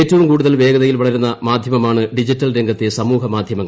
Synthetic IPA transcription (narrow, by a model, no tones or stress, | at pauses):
eːtːɐʋumkuːɽuðɐlʋe̞ːɡɐðɐjilʋɐɭɐɾunːɐmaːd̪ʱjɐmɐmaːɳɨɖid͡ʑitːɐlɾe̞ŋɡʱɐt̪ːesɐmuːɦɐmaːd̪ʱjɐmɐŋːɐ